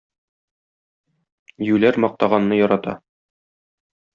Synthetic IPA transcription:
jʉlæɾmɒq̚t̪ɑʁɑnːɤjɒɾɑt̪ɑ̰

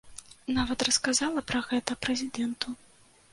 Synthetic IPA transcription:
navɐt̪rɐskazalˠɐpɾɐɣɛt̪ɐpɾɛzʲid̪ɛnt̪u

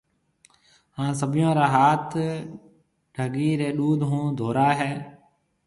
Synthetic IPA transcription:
hãːs̬əbʱɪjõːɾaːɦaːt̪ʰ | ɖʱəɡiːɾeːɗuːd̪ɦũːd̪ʱoːɾaːɦɛː

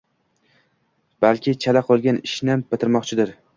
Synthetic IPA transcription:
b̥alkʲʰɪt͡ʃʰalaqʰolˠɡʲanɪʃnb̥ɪt̪ʰɪɾmɒqt͡ʃʰɪd̪ɪɾ

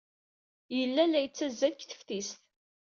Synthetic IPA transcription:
jəlːælæjət͡sːæzːælçθə̥fθisθ

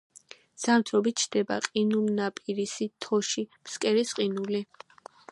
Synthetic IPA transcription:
z̥amt̪ʰɾɔbit̪̚t͡ʃʰd̪̥ɛba̰qʼinulnapʼiɾisit̪ʰɔʃimskʼɛɾisqʼinuli

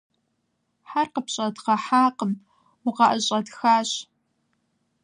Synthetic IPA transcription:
ħarqəpɕʼɐdqɐħaːqəm | wʊqɐʔəɕʼɐdxaːɕ

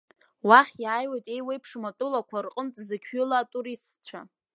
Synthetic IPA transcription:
waχʲjaːjwajtʼe̞jwejpʰʂmatʼulakʷʰarqʼəmtʼzɨkʲʷʰʏlatʼuɾistt͡ɕʷʰa̰

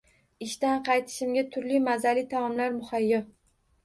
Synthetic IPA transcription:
ɪʃt̪anqʰɑjt̪ʰɪ̥ʃɪmɡʲat̪ʰʊɾlimazalit̪ʰaɒmlaɾmʊhajːɒ

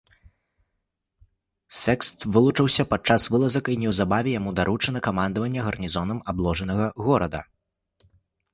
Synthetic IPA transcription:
sɛkst̪vɨlˠut͡ʂɨwsʲɐpat͡ʂːasvɨlˠɐzɐkinʲɛwzabavʲɛjamud̪aɾut͡ʂɐnɐkamand̪ɐvɐnʲːɐɣɐrnʲizɔnɐmablˠɔʐɐnɐɣɐɣɔɾɐd̪ɐ̰

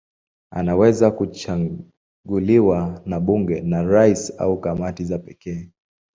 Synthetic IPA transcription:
a̰nawɛzakut͡ʃa | ɡuliwanaɓuŋɡɛnaɾaisa̰ukamatizapɛkɛː

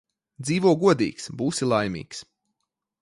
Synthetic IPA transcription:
d̪ziːvuɔɡuɔd̪ḭːksbuːsilˠajmḭːks

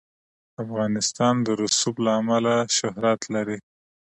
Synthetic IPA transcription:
afɣɑnɪst̪ɑnd̪əɾʊsublaːmalaʃʊɦɾat̪laɾi

